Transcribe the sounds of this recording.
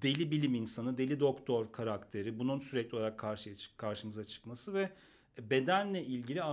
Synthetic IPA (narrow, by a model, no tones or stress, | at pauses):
d̪̥e̞lʲibilʲiminsanɯd̪e̞lʲid̪o̞kt̪ʰo̞ɾkʰaɾakt̪ʰe̞ɾibununsyɾɛclʲoaɾakʰːaɾʃɯjat͡ʃʰɯ̥kʰaɾʃɯmɯzat͡ʃʰɯ̥kmasɯvɛ | be̞d̪ænlʲɛʔilʲɟilʲia